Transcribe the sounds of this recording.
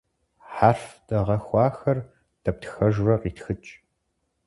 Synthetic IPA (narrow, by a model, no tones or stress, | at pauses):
ħaːfd̥ɐʁɐxʷɑːxɐr | d̥ɐp̚tʰxɐʒrɐqiːtxɨt͡ʃʼ